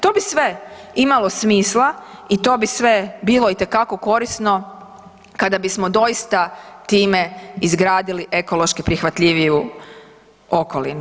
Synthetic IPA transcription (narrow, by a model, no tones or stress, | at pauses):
t̪o̞ːbisʋe̞imalo̞smiːslˠait̪o̞ːbisʋe̞biːlˠo̞it̪e̞kako̞ko̞ɾisno̞ | kad̪abismo̞d̪o̞jist̪at̪iːme̞izɡɾaːd̪iliʔe̞ko̞lˠo̞ʃkipɾixʋat̪ʎiʋiju | o̞ko̞lḭnu